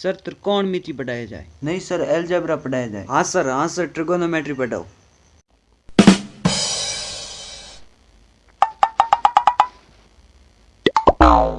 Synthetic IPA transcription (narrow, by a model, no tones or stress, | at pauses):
səɾt̪əɾkoːɳmit̪iːbəɖaːjaːd͡ʒa̰ːeːnəĩːsəɾeːld͡ʒeːbɾaːpəɖaːjaːd͡ʒa̰ːɦãːsəɾɦãːsəɾʈɾɪɡoːnoːmeːʈɾiːpəɖa̰o̰